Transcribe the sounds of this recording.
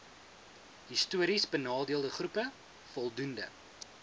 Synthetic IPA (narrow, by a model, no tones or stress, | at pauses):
ɦistuəɾisbənɑːdiəlˠdəχrupə | fɔlˠdundə̰